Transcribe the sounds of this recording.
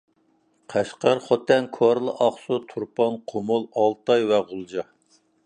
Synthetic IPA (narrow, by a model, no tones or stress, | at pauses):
qʰæʃqɑɾχɔt̪ːɛnkʰoɾlˠəʔɑχsut̪ʰuɾpɑnqʰomʊlˠɑlˠt̪ɑjwɛʁʊlˠd͡ʒɑ